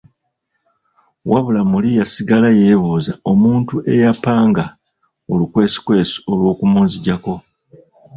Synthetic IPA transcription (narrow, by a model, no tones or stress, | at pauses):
wʔaβulamulijasiɡalaje̞ːβuːzao̞muːntuʔe̞japaːŋɡa | olukwe̞ːsi̥kwe̞ːsu̥o̞lwo̞ːkumuːnziɟako̞